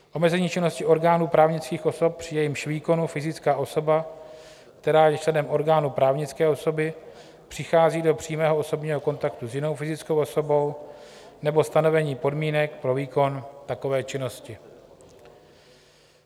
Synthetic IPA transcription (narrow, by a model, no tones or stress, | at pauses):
ʔo̞mɛzɛɲiːt͡ʃɪno̞scɪʔo̞ɾɡaːnuːpɾaːvɲɪt͡skiːxʔo̞so̞p̚pr̥ɪjɛjimʃviːko̞nufɪzɪt͡skaːʔo̞so̞ba | kt̪ɛɾaːjɛt͡ʃlɛdɛmʔo̞ɾɡaːnupɾaːvɲɪt͡skɛːo̞so̞bɪ | pr̥ɪxaːziːdo̞pr̥iːmɛːɦoʔo̞so̞bɲiːɦo̞ko̞nt̪akt̪uzjɪno̞wfɪzɪt͡sko̞wʔo̞so̞bo̞w | nɛbo̞st̪ano̞vɛɲiːpo̞dmiːnɛkpɾo̞viːko̞nt̪ako̞vɛːt͡ʃɪno̞scɪ